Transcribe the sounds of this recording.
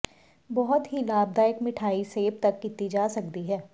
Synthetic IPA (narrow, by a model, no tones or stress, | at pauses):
bɔɦʊt̪ɦilaːb̚d̪aekmɪʈʰaːiseːb̚t̪ɐkːɪt̪id͡ʒaːsɐk̚d̪iɦɛː